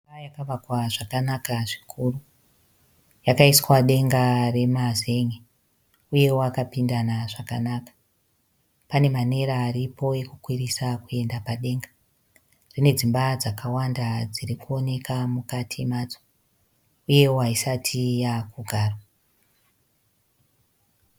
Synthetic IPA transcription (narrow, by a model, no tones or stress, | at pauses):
ajakaʋakwaʐakanakaʐikʰuru | jakaiswaɗe̞ŋɡare̞maze̞ŋe | uje̞woakapindanaʐakanakḁ | pane̞mane̞ɾaːɾipo̞e̞kukwirisakue̞ndapaɗe̞ŋɡa | rine̞d͡zimbad͡zakawandad͡zirikuo̞ne̞kʰamukatʰimad͡zo̥ | uje̞waisatʰijakuɡʱaːra